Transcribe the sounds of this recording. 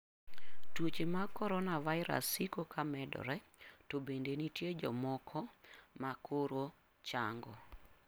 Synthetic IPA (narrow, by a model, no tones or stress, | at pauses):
twot͡ʃemakɔɾɔnavaɪɾa̰sikokamɛdɔ̰ɾɛ | tobendenitjed͡ʒɔmɔkʰɔmakʰoɾo | t͡ʃaŋɡɔ̰